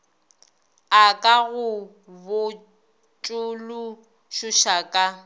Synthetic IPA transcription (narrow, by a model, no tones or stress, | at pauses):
akʼaɣʊ | bʊ | t͡ʃʼʊlʊ | ʃʊʃakʼa